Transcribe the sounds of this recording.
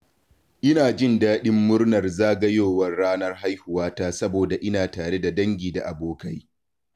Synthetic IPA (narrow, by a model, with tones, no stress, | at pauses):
ʔɪ˦naː˨d͡ʒɪ˦˨ndaː˦ɗɪ˦mːʊ˦rnɐ˨rzaː˦ɡɐ˦joː˨wɐ˦rːaː˦nɐ˦rha˦jhʊ˨waː˦taː˦sɐ˦boː˨da˨ʔɪ˦naː˨taː˨ɽe˦da˨dɐ˦ŋɡʲiː˨da˨ʔa˨boː˦kɐ˦j